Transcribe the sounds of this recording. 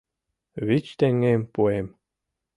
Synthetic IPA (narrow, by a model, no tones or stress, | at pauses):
βit͡ɕt̪eŋːempuem